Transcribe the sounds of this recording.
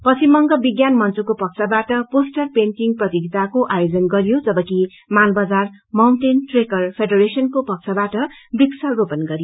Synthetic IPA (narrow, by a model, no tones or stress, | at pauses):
pʌt͡simʌŋɡʌbiɡjanmʌnt͡sukopʌk̚t͡sʰʌbaʈʌposʈʌrpenʈiŋɡprʌt̪iɡit̪akoʔajod͡zʌnɡʌɾijod͡zʌbʌki | malbʌd͡zarmawnʈenʈrekʌrpʰeɖʌɾesʌnkopʌk̚t͡sʰʌbaʈʌbiksʰʌropʌnɡʌɾjo